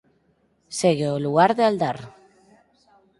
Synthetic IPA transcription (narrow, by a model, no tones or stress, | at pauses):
seɣeoluɣaɾðeald̪aɾ